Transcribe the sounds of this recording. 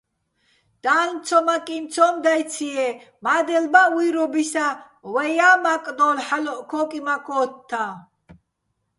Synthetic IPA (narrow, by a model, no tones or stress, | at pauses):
d̪̥aːlmt͡sʰɔmakʼint͡sʰɔmd̪ajt͡sʰiɛ | mad̪ɛlbawiɾɔbisa | wɛjamakʼd̪ɔlħalɔʔkʰɔːkʼimakʰɔːt̪ʰːa